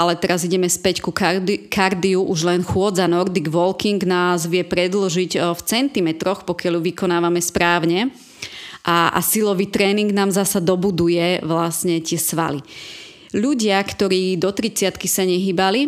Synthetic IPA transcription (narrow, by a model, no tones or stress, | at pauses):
ʔalɛt̪ɛɾaziɟɛmɛspɛckukkʰaɾd̪iuʔuʒlɛnxʊɔd͡zanɔɾd̪iɡʋɔlkiŋɡnaːzʋɪɛpɾɛd̪lɔʒiɟft͡sɛnt̪imɛt̪ɾɔxpɔkɪaljuʋikɔnaːʋamɛspɾaːʊɲɛ | ʔaa̰silɔʋiːt̪ɾɛːniŋɡnaːmzasad̪ɔbud̪ujɛʋlasɲɛt̪ɪɛsʋa̰lḭ | ʎuɟɪakt̪ɔɾiːd̪ɔt̪ɾit͡sɪat̪kisaɲɛɦiːbali